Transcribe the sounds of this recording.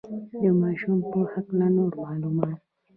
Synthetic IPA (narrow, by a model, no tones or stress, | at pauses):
d̪əmɑʃumpəhaknanoɾmɑːlumɑt̪̚